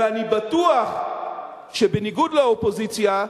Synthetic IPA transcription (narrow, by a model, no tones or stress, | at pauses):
anibatuaχ | ʃebeniɡudlaopo̞zit͡sja